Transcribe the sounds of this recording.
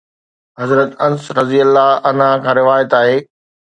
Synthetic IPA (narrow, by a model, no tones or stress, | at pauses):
ɦɐzɾət̪ɐnsɾɐziəlːaɐnakʰãːɾɪʋaːjət̪aːɦeː